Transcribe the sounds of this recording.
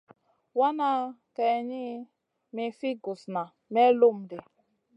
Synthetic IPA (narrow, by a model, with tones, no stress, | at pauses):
wa˦na˦kɛ˨ɲi˦ | me˨fi˦ɡu˨sna˨ | mɛ˦lu˦m̩˨de˨